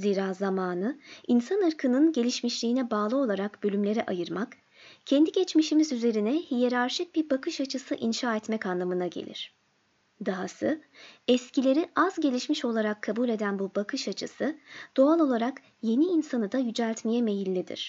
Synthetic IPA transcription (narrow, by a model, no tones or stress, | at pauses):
ziːɾaːzamaːnɯinsanɯɾkʰɯnɯnɟe̞lʲiʃmiʃlʲiːnɛbaːlˠɯo̞lˠaɾakb̥ølʲymlʲe̞ɾɛʔajɯɾmak | cʰɛnd̪iɟɛt͡ʃmiʃimizyze̞ɾinɛhijeɾaɾʃɯk̚b̥iɾbakʰɯʃat͡ʃʰɯsɯʔinʃaːɛt̪mɛcanlˠamɯnaɟe̞̰lʲḭɾ̝̥ | d̪aɦasɯɛscʰilʲe̞ɾiʔazɟe̞lʲiʃmiʃo̞lˠaɾakʰːabuːlʲe̞d̪ænbubakʰɯʃat͡ʃʰɯsɯd̪̥o̞alˠo̞lˠaɾak | je̞niːnsanɯd̪ajyd͡ʒælʲt̪mejɛme̞jilʲːid̪ḭɾ̥